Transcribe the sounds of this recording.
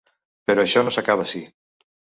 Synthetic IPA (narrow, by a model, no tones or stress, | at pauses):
peɾoaʃɔnosakaβ̞asi